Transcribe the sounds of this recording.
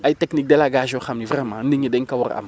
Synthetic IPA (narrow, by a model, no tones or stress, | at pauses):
ajtɛknik̚dɛlaɡaʒoxamnivrɛmã̰ndiɲedɛŋkawɔɾa̰m